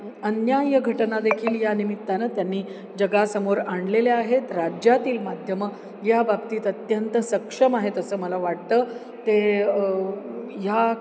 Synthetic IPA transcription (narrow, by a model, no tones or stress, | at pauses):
ənjajəɡʱəʈnad̪ekʰiːljanimit̪ːanəːt̪janːiː | d͡ʑəɡasəmoɾaɳɖleleaɦet̪ɾad͡ʑjat̪iːlmad̪ʱjəmə | jababt̪iːt̪ət̪jənt̪əsəkʂəmaɦet̪əsəːməlaʋaɽ̚t̪əː | t̪e | ja